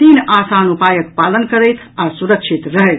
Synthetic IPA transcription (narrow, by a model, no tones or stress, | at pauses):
t̪inasanupajək̚palənkəɾəjt̪ʰasuɾəkt͡ʃʰit̪ɾəɦɛjt̪ʰ